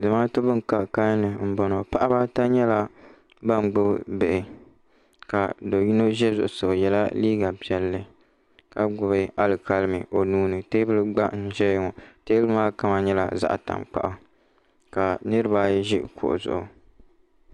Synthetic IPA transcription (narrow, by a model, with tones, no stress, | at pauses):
dɨ˨maː˦to˦bɨ˦ŋ˨ka˨ka˦nɨ˨m̩˦bɔ˨no˨pa˦ʔa˦ba˦ta˦ɲɛ˦la˨ | ba˦˨m˨ɡ͡bʊ˦bbɛ˨ʔɪ˨ | ka˨do˨ji˦no˦ʒɛ˦zʊ˨ʔʊ˨so˨jɛ˨la˦liː˦ɡa˨pi˨ɛ˦lːɨ˦ | ka˨ɡʊ˨bɨ˦a˦lɨ˨ka˦lɨ˦mɨ˨ʔo˨nuː˦nɨ˨teː˦bɨ˦lɨ˦ɡ͡ba˦ʔn̩˦˨ʒɛ˦jŋɔ˨teː˦bɨ˦maː˦ka˦ma˨ɲɛ˦la̰˨za̰˦ʔta̰˨mk͡pa̰˦ʔa˨ | ka˨nɨ˦ɾɨ˦baː˦jɛ˦ʒɪ˦kʰʊ̰˨ʔʊ̰˨zʊ̰˨ʔʊ˨